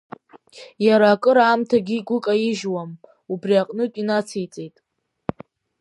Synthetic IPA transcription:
jaɾaːkʼɨɾaːmtʰaɡʲiːɡʷʊkʼajiʒwam | ubriaqʼnɨtʼinat͡sʰejt͡sʼejtʼ

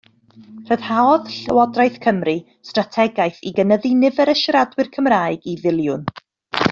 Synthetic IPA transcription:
r̥əð̥haɔðɬəwɔdrajθkʰəmri | stratʰɛɡajθiɡənəðinɪvɛɾəʃɾadwɨrkʰəmraːɨɡivɪlˠjʊn

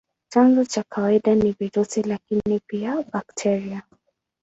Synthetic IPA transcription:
t͡ʃanzɔt͡ʃakʰawaiɗaniviɾusilakinipiabaktʰɛɾia

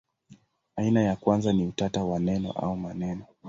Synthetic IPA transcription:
ainajakwanzaniutatawanɛnɔ̰ʔa̰umanɛnɔ

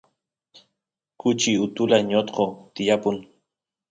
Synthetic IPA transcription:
kʊt͡ʃiʊt̪ulaɲot̪qot̪ɪjapʊn

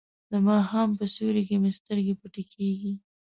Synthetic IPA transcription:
d̪əmɑhampəsuɾekemest̪əɾɡepuʈekʰeɡi

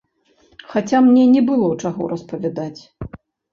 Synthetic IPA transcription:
xat͡sʲamnʲɛnʲɛbɨlˠɔwt͡ʂaɣɔ̰ɾɐspɐvʲad̪at͡sʲ

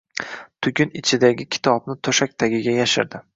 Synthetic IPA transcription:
t̪ʰʊɡʲɪnɪt͡ʃʰɪd̪aɡʲɪkʲʰɪ̥t̪ʰɒbnɪt̪ʰoʃak̚ʲt̪ʰaɡʲɪɡʲajaʃɪ̰ɾd̪ɪ

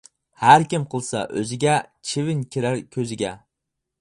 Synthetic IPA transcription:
haɾkʲɪmqʰɨlˠsa̰ʔɵzɪɡʲat͡ʃʰɪvɪnkʲʰɪɾaɾkʲʰɵzɪɡʲa

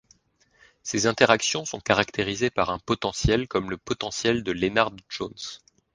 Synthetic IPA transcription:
sezɛ̃t̪eʁaksjɔ̃sɔ̃kaʁakt̪eʁizepaʁɛ̃pɔt̪ɑ̃sjɛlkɔmləpɔt̪ɑ̃sjɛld̪əlenaʁd̪ʒons

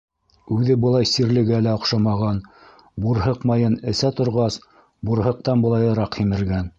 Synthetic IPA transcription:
ʉðɘbɤ̆lˠɑjsiɾlɘ̆ɡælæŏqʃɑmɑʁɑn | buɾɦɤqmɑjɤnɘ̆sæt̪ŏɾʁɑs | buɾɦɤ̆q̚t̪ɑnbɤ̆lˠɑjɤ̆ɾɑqhimɘ̆ɾɡæn

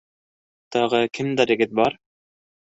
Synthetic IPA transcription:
t̪ɑʁɤkɘmd̪æɾɘ̆ɡɘt̪̚bɑɾ

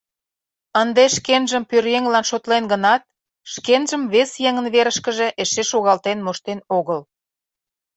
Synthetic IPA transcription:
ənd̪eʃkenʒəmpørjeŋlɑnʃot̪lenɡənɑt̪̚ | ʃkenʒəmβesjeŋənβeɾəʃkəʒe̽ʔeʃeʃoɣɑlt̪enmoʃt̪enoɣəl

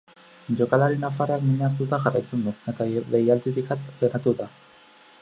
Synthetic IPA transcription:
ʝo̞kalaɾinafaroakmiɲaɾt̪ut̪axarajt͡se̞nd̪ue̞t̪aβejalt̪iβikat̪leɾat̪uða

